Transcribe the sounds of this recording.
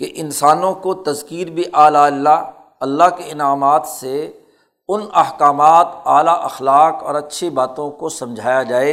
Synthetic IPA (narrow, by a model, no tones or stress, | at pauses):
keʔɪnsaːnõkot̪ɐzkiːɾbʱiʔaːlalːa | ɐlːaɦkeɪnaːmaːt̪se | ʊnɐhkaːmaːt̪aːlaʔɐxlaːkɔ̰ːɾɐtːʃʰibaːt̪õkosɐ̃md͡ʒʱaːjad͡ʒaːeː